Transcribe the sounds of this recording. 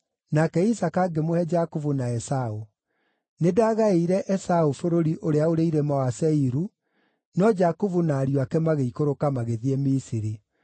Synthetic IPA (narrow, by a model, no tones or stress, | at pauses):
nakɛisakaɡemohɛd͡ʒakuvunaɛsao | nedaːɣaeiɾɛʔɛsaufoɾoɾiʔoɾeaoɾeiɾɛmawasɛiɾu | nɔd͡ʒakuvunaːɾioakɛmaɣeikoɾokamaɣeðiɛmisiɾi